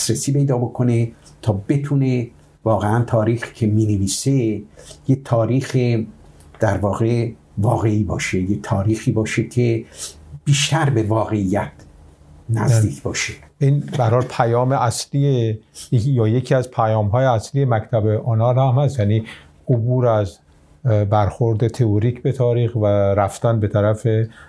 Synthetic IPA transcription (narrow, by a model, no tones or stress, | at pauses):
sɾesiːpe̞jd̪ɒːbokʰone | t̪ʰɒːbet̪ʰune | vɒːɣeænt̪ʰɒːɾiːxi̥cʰemiːneviːsejet̪ʰɒːɾiːxe | d̪̥æɾvɒːɣe | vɒːɣeiːbɒːʃejet̪ʰɒːɾiːxiːbɒːʃekʰe | b̥iːʃt̪æɾbevɒːɣe̞ijæt̪ | næzd̪iːkʰbɒːʃeʔiːnbæɾhɒːlpʰæjɒːmeʔæsliːejejɒːjecʰiæzpʰæjɒːmɦɒːjeæsliːje̞mækt̪ʰæbeʔonɒːɾhæmhæst̪jæːniː | obuːɾæz | bæɾxoɾd̪et̪ʰeoɾiːkʰbe̞t̪ʰɒːɾiːxvæɾæft̪ænbe̞t̪ʰæɾæfe